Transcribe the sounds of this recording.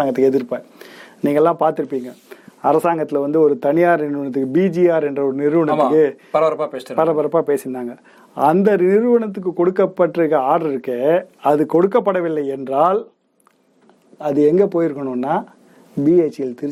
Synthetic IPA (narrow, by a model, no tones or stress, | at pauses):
aːŋɡɐt̪ːɯkːɯɛðɪɾɯpːẽːniːŋɡɐɛlːãːpaːɾt̪ɯɾɯpːiːŋɡɐɐɾɐsaːŋɡɐt̪ːɪlʋɐnd̪ɯɔɾɯt̪ɐɳɪjaːɾnɪɾɯʋɐɳɐt̪̬ːɯkːɯbiːd͡ʒiaːɾɛndrɐɔɾɯnɪɾɯʋɐɳɐt̪ːɯkːɯpɐɾɐɐɾɐpːaːpeːspɐɾɐpɐɾɐpːaːpeːsɪnːaːŋɡɐ | ɐnd̪ɐnɪɾɯʋɐɳɐt̪ːɯk̬ːɯkɔɽɯkːɐpːɐʈrɯɣɐaːɽɐɾɪɾɯkːeːɐðɯkɔɽɯkːɐpːɐɽɐʋɪlːɐɪɛndraːl | ɐðɯɛŋɡeːpoːjɪɾɯkːɐɳʊ̃nːaː | biːeːt͡ʃːɪlt̪ɪɾ